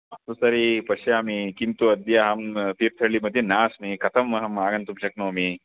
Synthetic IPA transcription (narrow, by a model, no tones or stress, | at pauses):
ɐt̪usɐɾipɐʃjaːmikint̪uɐd̪jaɦɐmt̪iːɾt̪ʰɐɭimɐd̪ʱjɐnaːsmikʰɐt̪ʰɐmɐɦɐmaːɡɐnt̪umʃɐknoːmi